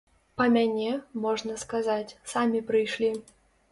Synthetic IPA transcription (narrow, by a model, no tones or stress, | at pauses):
pɐmʲanʲɛmɔʐnɐskazat͡sʲsamʲipɾɨjʂlʲi